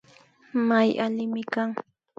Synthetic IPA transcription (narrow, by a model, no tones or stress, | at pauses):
majalɪmɪkaŋ